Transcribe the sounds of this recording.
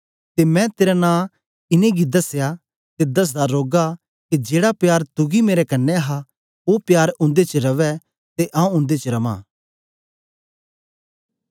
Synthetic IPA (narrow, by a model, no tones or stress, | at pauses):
t̪emɛ̃t̪eːɾanãː | ɪnẽɡid̪ɐsja | t̪ed̪ɐs̬d̪aɾoːɡa | kid͡ʒeːɽapjaːɾt̪ʊɡimeːɾɛkɐnːɛɦa | opjaːɾʊ̃nd̪et͡ʃəɾɐʋɛ | t̪eʔãːũʊ̃nd̪et͡ʃəɾɐʋã̰ː